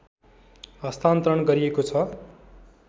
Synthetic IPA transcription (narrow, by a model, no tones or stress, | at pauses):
ɦʌst̪ant̪rʌɳɡʌɾiekot͡sʰʌ